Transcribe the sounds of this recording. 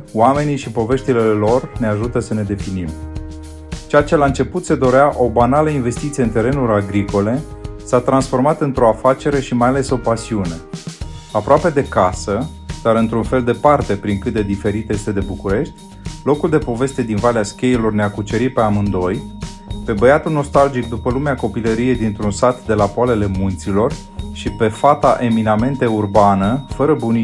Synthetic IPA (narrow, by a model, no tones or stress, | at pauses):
wame̞niʃipo̞ve̞ʃt̪ilelo̞rne̞aʒut̪əsəne̞d̪e̞finim | t͡ʃeat͡ʃe̞laɨnt͡ʃe̞put̪se̞d̪o̞ɾeaʔo̞banaləinve̞st̪it̪sieɨnt̪e̞ɾe̞nuɾaɡɾiko̞le̞sat̪ɾansfo̞rmat̪ɨnt̪ɾo̞afat͡ʃe̞ɾe̞ʃimajale̞so̞pasiune̞ | apɾoape̞d̪e̞kasə | d̪̥aɾɨnt̪ɾunfe̞ld̪e̞part̪e̞pɾiŋkɨt̪̚d̪ed̪ife̞ɾit̪je̞st̪e̞d̪e̞bukuɾe̞ʃt̪ʲ | lo̞kuld̪epo̞ve̞st̪e̞d̪invaleaskʲe̞jelo̞rneakut͡ʃeɾipe̞amɨnd̪o̞j | pe̞bəjat̪ulno̞st̪ald͡ʒik̚d̪upəlumeako̞piləɾije̞d̪int̪ɾunsat̪d̪e̞lapoale̞le̞munt̪silo̞r | ʃipe̞fat̪aʔe̞miname̞nt̪e̞urbanəfəɾəbuni